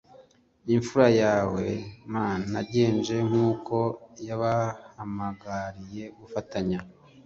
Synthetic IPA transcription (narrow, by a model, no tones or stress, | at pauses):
iɱfuɾajaːwe̞maːnaɟe̞ːnd͡ʒe̞ŋ̥uːko̞jaβahamaɡaɾije̞ɡufataɲa